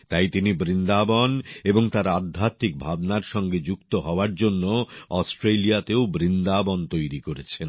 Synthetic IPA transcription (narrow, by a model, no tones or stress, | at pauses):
t̪ajt̪inibɾind̪abɔneboŋt̪aɾad̪ʱːat̪ik̚bʱabnaɾʃɔŋɡed͡ʑukt̪oɦɔoaɾd͡ʑonːoɔsʈɾelijat̪eobɾind̪abɔnt̪ojɾikoɾet͡ɕʰen